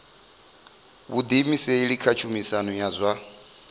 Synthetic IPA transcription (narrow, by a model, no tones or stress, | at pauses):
βud̪imiseiɺikʰat͡ʃʰumisanujazʷa